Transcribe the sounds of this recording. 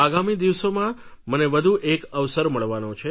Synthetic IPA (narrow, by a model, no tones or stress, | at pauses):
aɡamid̪iʋsomãməneʋəd̪ʱuʔekəʋsəɾməɭʋanõt͡ʃʰe